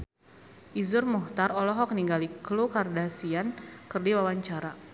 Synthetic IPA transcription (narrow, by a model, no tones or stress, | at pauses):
ʔizʊrmɔht̪arɔlɔɦɔk̚niŋɡaliklukardasiankərdiwawaɲt͡ʃaɾa